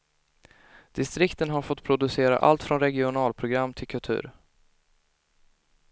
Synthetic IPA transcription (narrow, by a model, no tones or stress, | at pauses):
d̪̥ɪst̪ɾɪkt̪ənɦaɾfɔt̪ːpʰɾʊd̪ɵseːɾa̰ʔa̰lt̪fɾɔnɾɛɡɪʊnɑːlpʰɾʊɡɾamːt̪ʰɪlkʰɵlt̪ʰʉ̟̰ːɾ